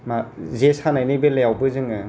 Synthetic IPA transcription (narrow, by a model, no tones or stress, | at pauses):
mazesanajnɯjbelejawbɯzɯŋɯ